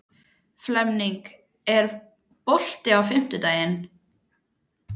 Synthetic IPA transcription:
flɛmniŋk | ɛɾ | pɔl̥t̪ɪawfɪm̥t̪ʏt̪aːjɪn

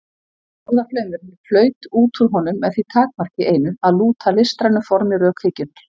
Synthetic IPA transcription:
ɔwðaflœːɥmʏɾɪflœːɥt̪uːt̪ʰuɾɦɔnːʏmːɛðθit̪ʰaːk̚mar̥cɪʔeːjnʏaðluːt̪ʰalɪst̪ɾanʏfɔɾmɪɾœːkhecːʏn

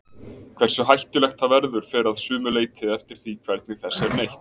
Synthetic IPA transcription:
kʰvɛr̥sʏɦajht̪ʏlɛxt̪avɛɾðʏɾ̥fɪɾɪɾaðsʏːmʏleːjt̪ʰɪðɛft̪ɪɾ̥θikʰv̥ɛɾt̪̚nɪθɛsːɛɾnejht̪

